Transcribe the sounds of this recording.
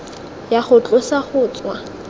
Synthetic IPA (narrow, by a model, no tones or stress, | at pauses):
jaχʊt͡ɬʼʊsaχʊːt͡sʼwa